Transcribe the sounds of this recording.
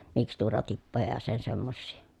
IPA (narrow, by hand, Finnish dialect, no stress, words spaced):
mikstuːrɑtipːojɑ jɑ sen semːosːiː